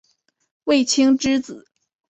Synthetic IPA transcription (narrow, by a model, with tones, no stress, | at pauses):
we˥˩ɪt͡ɕʰi˥ŋʈ͡ʂɻ̩˥t͡sɹ̩˨˩˦